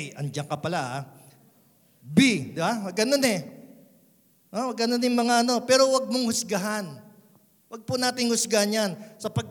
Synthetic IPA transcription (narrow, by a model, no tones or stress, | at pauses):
ʔɐnd͡ʒɐŋkɐpɐlaʔa | bid̪ɪbawɐɡʔɐno̞nɛ | ʔowɐɡʔɐnonɪŋmɐŋaʔɐno̞pɛːɾo̞wɐɡ̚moŋhʊsɡaɦan | wɐɡ̚pʊnaːt̪ɪŋhʊsɡahanjansɐpɐɡ̚k